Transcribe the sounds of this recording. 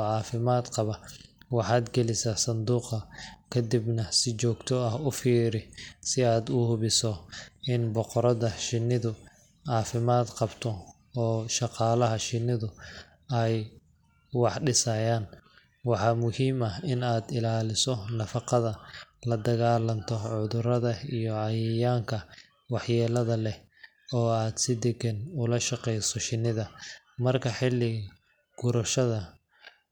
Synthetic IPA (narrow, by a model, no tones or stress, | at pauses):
ɔʕɑːfɪmaːd̪qɑβɐwɑħɑːd̪ɡɛlɪsɐsɐnd̪uːqɐkʰɐd̪ibnɐsɪt͡ʃɔːɡt̪ʰɔɐhʊfiːɾɪsɪaːd̪ʊhʊβɪsɔɪnbɔqɔɾɐðɐʃɪnːɪðʊ | ʕɑːfɪmaːd̪qɑbt̪ʰɔ | ɔːʃɑqɑːlɐɦɐʃɪnːɪðʊ | ɛj | wɑħɖɪsɐjaːn | wɑħɑːmʊhiːmɐɪnaːd̪ɪlaːlɪsɔnɐfɑqɑðɐlɐd̪ɐɣaːlɐnt̪ʰɔʕʊðʊrɐðɐijɔɑjjaːŋkʰɐ | wɑħjɛːlɐðɐlɛ | ɔːaːd̪sɪd̪ɛɡɛnʊlɐʃɑqɛjsɔʃɪnːɪðɐ | mɐrkʰɐħɪlːɪ | ɡ̥ʊɾɐʃɐðɐ